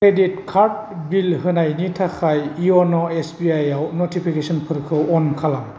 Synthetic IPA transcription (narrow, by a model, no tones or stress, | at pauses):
kʰɾeditkʰaɾd̚bilɦɯnajnitʰakʰajiɔnɔesbiajawnotʰipʰikesɔnpʰɯɾkʰɯɔnkʰalam